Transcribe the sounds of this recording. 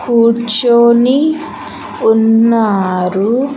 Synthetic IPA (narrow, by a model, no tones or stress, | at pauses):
kuːt͡ʃoːni | unːaːɾu